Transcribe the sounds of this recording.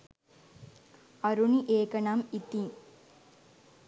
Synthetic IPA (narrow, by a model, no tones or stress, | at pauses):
ɐɾuniʔeːkɐɳaːmit̪ːim